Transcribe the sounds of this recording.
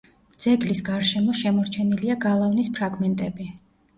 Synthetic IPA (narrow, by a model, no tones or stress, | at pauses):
d̪z̥ɛɡlisɡaɾʃɛmɔʃɛmɔɾt͡ʃʰɛniliaɡalˠavnispʰɾaɡmɛnt̪ʼɛbi